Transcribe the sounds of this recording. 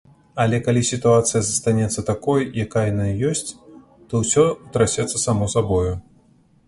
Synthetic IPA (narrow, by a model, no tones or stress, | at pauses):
ɐlʲɛkalʲisʲit̪uat̪sɨjɐzɐst̪anʲɛt̪sːɐt̪akɔjjakajanajjɔsʲt͡sʲ | t̪ɔwsʲɔt̪ɾasʲɛt̪sːɐsamɔsabɔju